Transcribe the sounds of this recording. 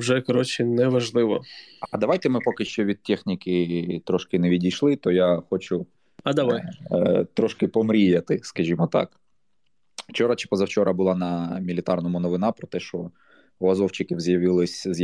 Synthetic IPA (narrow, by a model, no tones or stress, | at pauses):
wʒɛkɐɾɔt͡ʃɪnɛʋɐʒlˠɪʋɔ̰ɐd̪ɐʋɑjt̪ɛmɪpɔkɪʃt͡ʃɔʋʲid̪̚tʲɛxnʲikɪt̪ɾɔʃkɪnɛʋʲidʲijʃlˠɪt̪ɔjaxɔt͡ʃʊ | ɐd̪ɐʋajt̪ɾɔʃkɪpɔmɾʲijɐt̪ɪskɐʒʲimɔt̪ɑ̰k | wt͡ʃɔɾɐt͡ʃɪ̥pɔzɐwt͡ʃɔɾʔɐbʊlˠɑnɐmʲilʲɪt̪ɑrnɔmʊnɔʋɪnɑpɾɔt̪ɛʃt͡ʃɔ | ɔɐzɔwt͡ʃɪkʲiwzjɐʋɪlˠɪsʲz